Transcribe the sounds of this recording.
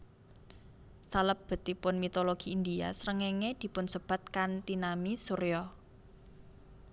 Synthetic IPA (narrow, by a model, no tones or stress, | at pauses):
saləbb̥ə̤t̪ːipʊnmit̪oloɡ̥i̤ind̪ia̰sɾəŋeŋed̪̥i̤pʊnsəb̥a̤t̪̚kant̪inamisuɾjɔ